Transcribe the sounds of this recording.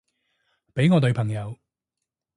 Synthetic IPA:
pe˨˥jŋɔː˨˧t̪ɵ˧pʰɐ˨˩ŋjɐ˨˧w

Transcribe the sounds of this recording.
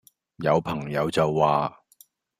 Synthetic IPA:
jɐ˨˧wpʰɐ˨˩ŋjɐ˨˧wt͡sɐ˨wːaː˨

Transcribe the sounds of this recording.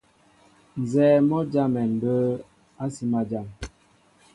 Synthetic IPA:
n˨zɛː˨mɔ˦d͡ʒa˦mɛ˨n˨bə˦ | a˦si˦ma˨d͡ʒa˨m

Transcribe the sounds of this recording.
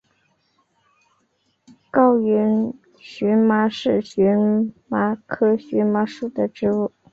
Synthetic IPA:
kɑ˥˩ʊɥɛ˧˥n | ɕy˧˥nma˧˥ʂɻ̩˥˩ɕy˧˥nma˧˥kʰɤ˥ɕɥɛ˧˥ma˧˥ʂu˥˩d̪ə˩ʈ͡ʂɻ̩˥u˥˩

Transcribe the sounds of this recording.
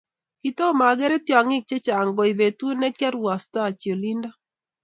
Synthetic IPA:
ki˨t̪ɔ˦ma˨ɡɛ˦ɾɛ˦t̪jɔ˨ŋɪ˦k̚t͡ʃe˦t͡ʃa˨ŋɡɔ˨ɪ˨be˨t̪u˦nɛ˦kja˦ɾwa˨sta˦˨t͡ʃjo˨li˦nda˦

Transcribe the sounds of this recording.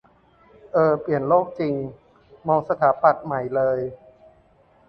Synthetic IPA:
ʔɤː˧˩pli˨˩ənloː˥˩k̚t͡ɕi˧ŋ | mɔː˧ŋsa˧t̪ʰaː˩˦pa˨˩t̪̚ma˨˩jlɤː˧j

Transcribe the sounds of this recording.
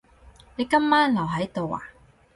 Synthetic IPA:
ne˨˧kɐ˥mːaː˥nlɐ˨˩wɦɐ˨˥jt̪o˨wa̰ː˨˩

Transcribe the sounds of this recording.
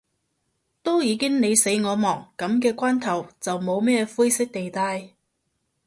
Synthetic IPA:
t̪o˥wjiː˨˧kɪ˥ŋne˨˧jse˨˥jŋɔː˨˧mɔː˨˩ŋkɐ˨˥mk̬ɛː˧kʷwaː˥nt̪ʰɐ˨˩wt͡sɐ˨wmo˨˧wmɛː˥fuː˥jsɪ˥k̚t̪e˨jt̪aː˧j

